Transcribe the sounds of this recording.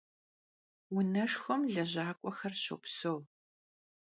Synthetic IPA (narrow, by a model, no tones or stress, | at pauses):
wʊnɐʂxɔmɮɐʑaːkʷʼɔxɐrɕɐ̰psow